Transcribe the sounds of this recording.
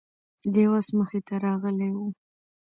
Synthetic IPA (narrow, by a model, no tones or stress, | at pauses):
d̪ewasməxet̪aɾɑɣəlewu